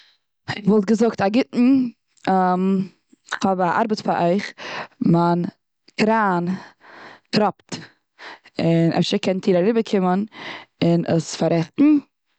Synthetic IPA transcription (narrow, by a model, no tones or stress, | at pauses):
ɪχvɔlˠt̚ɡəzʊktaɡɪtn̩ | m | χɔbaʔa̰ɾbətfaɾʔɔɪχman | kɾaːn | tɾɔpt | ɪnʔɛ̰fstəkʰɛntʰiːɾaɾɪbəkʰɪmənɪnʔəsfaɾɛχtn̩